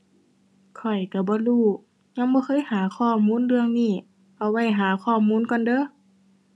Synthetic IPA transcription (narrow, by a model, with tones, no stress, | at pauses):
kʰɔ˨˩jka˧˩bɔː˧˦luː˧˩ | ɲa˧˥˦ŋbɔː˧˦kʰɤː˧˥˨jhaː˨˦kʰɔː˧˩muː˧˥˨nlɯ˧əŋniː˧˩ | ʔa˧˩wa˧˩jɦaː˨˦kʰɔː˧˩muː˧˥˨nkɔ˧˨ndɤː˧˦˨